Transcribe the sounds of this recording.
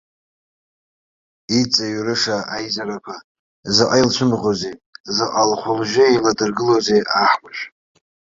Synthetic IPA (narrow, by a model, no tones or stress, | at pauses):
it͡sʼaɥrɨʂaajzaɾakʷʰa | zɨqʼajlt͡ʃʷʰʊmʁozezɨqʼalχʷʊlʒʷᶣʊiladɨrɡɨlozejʔaħmʷʼaʃʷᶣ